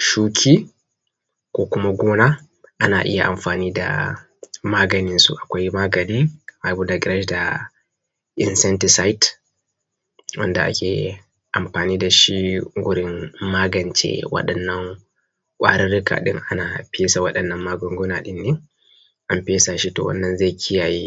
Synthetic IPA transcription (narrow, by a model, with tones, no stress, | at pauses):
ʃukʰi | kɔ˨kumaɡɔː˦na | ʔana˨ʔḭ˦jaʔa̰˨mfaːniːda̰ | maːɡaninsṵʔa˨kʷajmaːɡadɛmabudaɡɾaʃda | ʔinsɛntisajt | wɐ̰˦nda˨ʔa̰˦kʲḛ˨ | ʔa˨mɸaː˨niː˦da˨ʃi˦ɡʊ˦ɾɪŋmaː˦ɡɐ˨nt͡ʃɛ̰wɐ̰˦ɗɐnːɐ˦ŋ | kʷʼa̰ː˦ɾɛ˦ɾi˦ka̰ː˨ɗɪ̰˦ŋʔa˦na˨pe˦sa˨wɐɗɐ˨nːɐ˦mmːaː˦ɡɔ˨ŋɡu˦na˨ɗɪ˦nːɛ˦ | ʔa˨mpe˦sa˨ʃi˦tɔ̰˨wɐ̰˦nːɐ˦nza˦jkʲʰi˦jaː˨ji˦